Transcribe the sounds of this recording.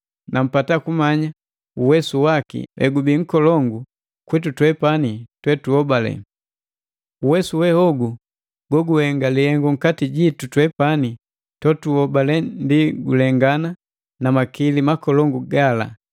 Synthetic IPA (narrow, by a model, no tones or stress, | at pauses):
nam̩patakumaɲa | uwɛsuwakḭlʔɛ̰ɡubiŋ̩kɔlɔŋɡu | kwitutwɛpanitwɛtuhɔbalɛ̰ | uwɛsuwɛhɔɡu | ɡ̥ɔɡuhɛŋɡalihɛŋɡɔŋ̩katiɟitutwɛpani | tɔtuhɔbalɛndiɡulɛŋɡana | namakilimakɔlɔŋɡuɡala̰